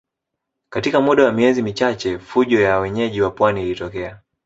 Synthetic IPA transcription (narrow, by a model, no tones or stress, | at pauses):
katikamuɗawamiɛzimit͡ʃat͡ʃɛfuʄɔjawɛɲɛʄiwapwaniːlitɔkɛa